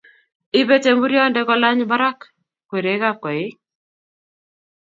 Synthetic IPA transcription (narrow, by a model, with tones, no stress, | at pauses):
ɪ˦be˦t͡ʃe˦mbu˦ɾjɔ˦ndɛ˦kɔ˦la˦ɲba˦ɾa˦k | kwe˨ɾe˨˦ka˦kɔ˨ɪ˦k